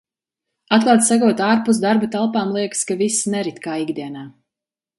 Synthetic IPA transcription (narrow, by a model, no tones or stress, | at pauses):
at̪̚klˠaːt̪saɡuɔt̪aːɾpus̬d̪aɾbat̪alˠpaːmlˠiɛkskavisnɛɾit̪kaːiɡd̪iɛnaː